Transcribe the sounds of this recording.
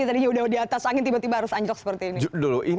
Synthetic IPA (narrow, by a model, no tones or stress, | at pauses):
at̪adiɲaudaɦudiat̪asakɪnt̪ibat̪ibaɦaɾʊsaɲd͡ʒəlɔk̚sə̥pərt̪iːniduluʔi